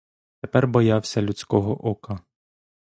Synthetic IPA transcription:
t̪epɛrbɔjɑwsʲɐlʲut͡sʲkɔɦɔʔɔkɐ

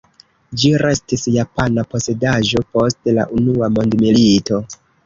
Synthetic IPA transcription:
d͡ʒiɾe̞stisjapanapo̞se̞daʒo̞po̞stla̰ʔunuamo̞ndmilito̞

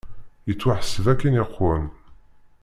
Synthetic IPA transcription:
jət͡sːwaħəsəvækːiniqːən

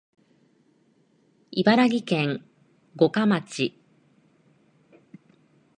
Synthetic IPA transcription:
ibaɾaɡʲikẽ̞ŋ | ɡo̞kamat͡ɕi

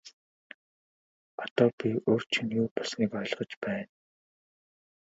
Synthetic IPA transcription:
ɔt̪ɔːpʲioːr̥t͡ɕʰɪ̆njuːpɔɮsniːkɔj̆ɮʁə̆t͡ɕpæːn

